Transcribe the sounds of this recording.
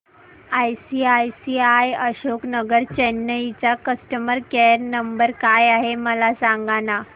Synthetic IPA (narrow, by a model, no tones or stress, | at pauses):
ajsiajsiajəɕoknəɡəɾt͡ɕenːəit͡ɕakəsʈəməɾkeɾnəmbəɾkajaɦeməlasaŋɡana